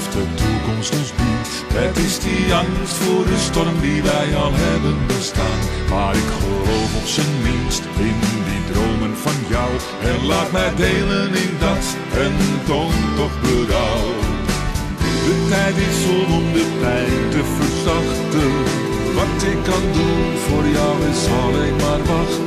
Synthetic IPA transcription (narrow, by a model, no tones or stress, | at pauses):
fdətukɔmstəzbut | ətɪsdiɑŋstfʊːɹdəstɔrmdiʋɛjɑlˠɦɛbənbəstaːnmaːɾɪkχəlowfɔpsənmɪnstɪndidrowmənvɑnjɔw | ɛnlaːtmɛjdejlənɪndɑs | ɛntontɔχbəɾɔw | dətɛjtɪsɔlɔmdəpɛjtəvərsɑχtə | ʋɑtɪkːɑndun | v̥ʊːrjɔwɪsɑlɛkmaːrʋɑχ